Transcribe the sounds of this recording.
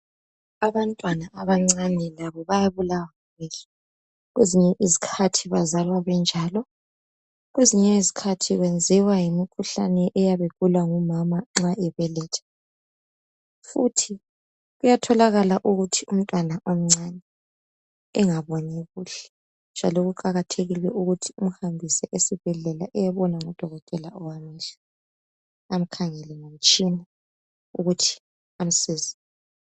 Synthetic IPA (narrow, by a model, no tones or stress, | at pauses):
aβantʼwanaʔaβaŋ͡ǀanɛlaβɔβajaβulawaŋuβɛli | ɣweziɲɛʔizikʰatʰiβazalwaβɛnd͡ʒʱaːlɔ | ɣweziɲɛizikʰatʰiɣwend͡zʱiwajimikʰuɬa̰nɛʔɛjaβekulwaŋumamaŋ͡ǁaʔɛβɛlɛːtʰḁ | futʰi | ɣujatʰɔlaɣalaʔuɣutʰium̩tʼwanaʔom̩ŋ͡ǀanɛː | ŋaβɔnɛɣuɬɛ̥ | nd͡ʒʱalɔɣuǃaɣatʰeɣilwɛʔuɣutʰium̩hambʱisɛʔesib̥ʱɛɮɛlaʔɛjaβɔnaŋɔd̥ʱɔɣɔtʼɛlaɔwamaɬḁ | am̩kʰaŋɛlɛŋom̩t͡ʃʼina | ṵɣutʰi̥ | am̩siːzi